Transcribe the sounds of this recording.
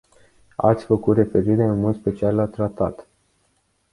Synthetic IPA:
a̰t̪sʲfəkut̪re̞fe̞ɾiɾeunmo̞d̪spe̞t͡ʃialːat̪ɾat̪at̪

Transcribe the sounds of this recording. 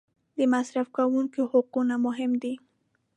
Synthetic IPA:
d̪əmasɾafkawuŋkohʊqunamʊɦɪmd̪i

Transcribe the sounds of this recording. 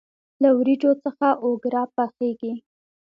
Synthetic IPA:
lawɾiʈ͡ʂot͡səxaʔoɡɾɑpaxeɡi

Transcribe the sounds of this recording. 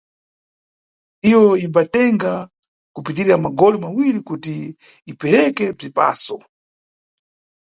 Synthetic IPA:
ijɔimbatɛŋɡa | kupitiɾiɾamaɡɔlimawiɾikutiː | pɛɾɛkɛb͡ʐipa̰ːsɔ

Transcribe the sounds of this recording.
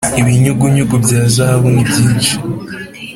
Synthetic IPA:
iβiɲuɡuɲuɡubɟaːzaaβunibiːnt͡ʃe̥

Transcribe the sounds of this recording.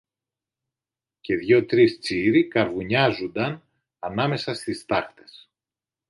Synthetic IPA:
ce̞ðʝo̞t̪ɾist͡siɾikɐɾvuɲɐzund̪ɐn | ɐnɐme̞sɐst̪ist̪ɐxt̪e̞̥s

